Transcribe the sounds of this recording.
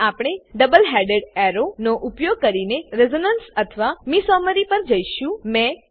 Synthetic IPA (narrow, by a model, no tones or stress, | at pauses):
apɽ̃eɖəbəlɦɛɖeɖɛɾonoʔupjoɡ̚kəɾineɾezonənsət̪ʰəʋamisɔməɾipəɾd͡ʒəjʃũmẽ